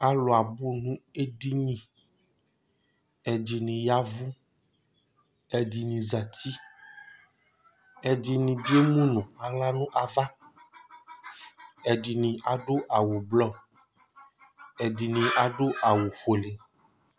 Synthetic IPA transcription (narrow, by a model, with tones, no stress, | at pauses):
a˨lo˨a˨bu˦nũ˦e˦ɖi˦nĩ˨ | e˨d͡ʒi˨nĩ˨ja˦vu˦ | e˨di˨nĩ˨za˨t̪i˦ | e˨d͡ʒi˨nĩ˨di˦e˦mũ˦nɔ̃˨a˨la˦nũ˦ʔa˨va˦ | e˨di˨nĩ˨a˨ɖo˦ʔa˨wo˨blɔ˦˨ | e˨di˨nĩ˨a˨ɖo˦ʔa˨wo˨ɸo˨le˨